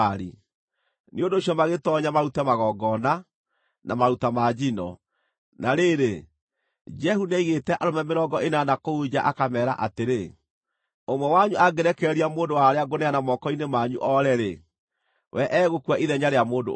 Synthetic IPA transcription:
ɾḭ | niondoːɕiɔmaɣetɔɲamaɾutɛmaɣɔɡɔna | namaɾutamad͡ʑinɔ̰ | naɾeɾe | d͡ʒɛhunɛiɣetɛʔaɾomɛmeɾɔɡɔʔenanakoud͡ʑaʔakamɛːɾa̰ʔateɾe | omwɔwaɲuʔaɡɛɾɛkɛɾiamoːndowaɾeaɡonɛanamɔkɔinemaɲuʔɔɾɛɾḛ | wɛʔɛɣokuwaʔiðɛɲaɾeamoːndo̰

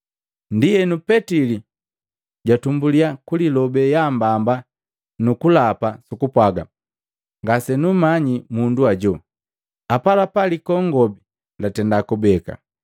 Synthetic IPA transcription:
ndijɛnupɛtili | ɟwatumbuliakulilɔbɛjambamba | nukulapasukupwaɡa̰ | ŋɡasɛnumaɲimunduaɟɔ | apalapalikɔŋɡɔbi | latɛndakubɛka̰

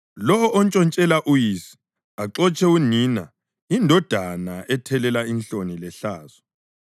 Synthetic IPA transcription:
lɔɔʔɔnt͡ʃʼɔnt͡ʃʼɛlaʔujisi̥ | aǁɔt͡ʃʰʼɛunina | indʱɔd̥ʱanaʔɛtʰɛlɛlainɬonilɛɬaːz̥ɔ̥

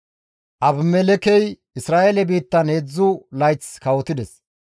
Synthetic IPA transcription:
ʔɐbmɛlɛkɛj | ɪsɾaːʔelɛbiːt̪ːɐneːd͡zːʊlɐjt͡skɐwɔt̪ɪd̪ɛs

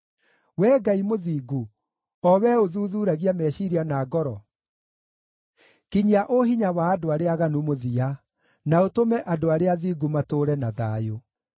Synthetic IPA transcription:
wɛːɡaimoðiːɡu | ɔwɛoðuːðuːɾaɣiamɛɕiɾianaːɡɔɾɔ | kiɲiaʔoɦiɲawaːdoaɾeaɣanumoðia | naotomɛʔadoaɾeaðiːɡumatoɾɛnaðaːjo

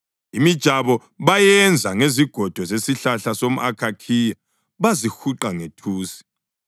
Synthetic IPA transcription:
imid̥ʒ̥ʱaβɔ | βajɛnd͡zʱaŋeziɡ̥ʱɔd̥ʱɔzesiɬaɬasom̩ʔakʰakʰiːja | βazixuǃaŋetʰuːsi̥

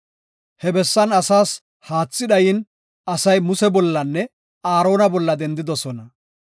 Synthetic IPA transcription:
hɛbɛsːɐnɐsaːs | haːt͡sːɪᶑ̪ɐjɪn | ɐsɐjmʊsɛbɔlːɐnːɛ | aːɾo̞ːnɐbɔlːɐd̪ɛnd̪ɪd̪ɔsɔnɐ

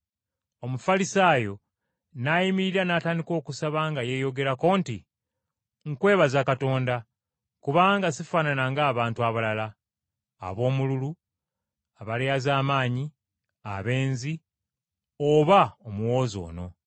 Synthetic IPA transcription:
o̞mufalisaːjo̞ | najimiɾiɾanataːndiko̞ːkusaβaŋɡaje̞ːjo̞ɡe̞ɾako̞ːntḭ | ŋ̩kwe̞ːβazakato̞ːnda | kuβaːŋɡasifaːnanaŋɡaːβaːntuaβalala̰ː | βo̞ːmululu | aβalejazaːmaːɲi | a̰βe̞ːnzi | oβaomuwo̞ːzo̞̰ːno̞̰

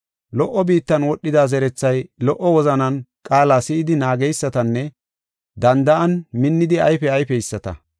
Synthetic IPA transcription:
lɔʔːɔbiːt̪ːɐnwɔɗːɪd̪aːzɛɾɛt͡sːɐjlɔʔɔwɔzɐnɐnkʼaːlaːsɪʔɪd̪ɪnaːɡɛjsːɐt̪ɐnːɛ | d̪ɐnd̪ɐʔɐnmɪnːɪd̪ɪɐjfɛɐjfɛjɪsːɐt̪ɐ̰

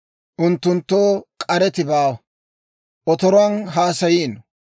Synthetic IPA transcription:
ʔʊnt̪ːʊnt̪ːoːkʼɐɾɛt̪ɪbaːw | ʔɔt̪ɔɾɔɐnɦaːsɐjiːn

